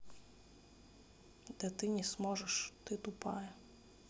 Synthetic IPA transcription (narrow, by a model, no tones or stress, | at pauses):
d̪̥ɛt̪ɪnʲismɔʒɛʃt̪ɪt̪ʊpɑ̰jɛ